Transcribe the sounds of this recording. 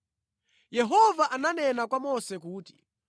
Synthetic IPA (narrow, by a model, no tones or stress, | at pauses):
jɛɦɔvaʔananɛnakwamɔsɛk̬uːti̥